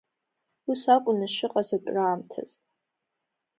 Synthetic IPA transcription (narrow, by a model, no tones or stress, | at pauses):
usakʷʼʊnɨʃɨqʼazatʷʼraːmtʰa̰z̥